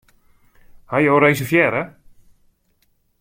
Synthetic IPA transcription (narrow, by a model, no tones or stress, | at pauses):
hajowɾejsəfjɛɾə